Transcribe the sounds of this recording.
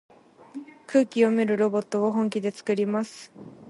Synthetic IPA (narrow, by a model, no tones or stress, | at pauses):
kʰɯ̟ːkʲio̞meɾɯ̟ɾo̞bo̞t̪ːo̞oɦõ̞ŋkʲid̪e̞t͡sɨ̥kɯ̟ɾʲimasɨ̥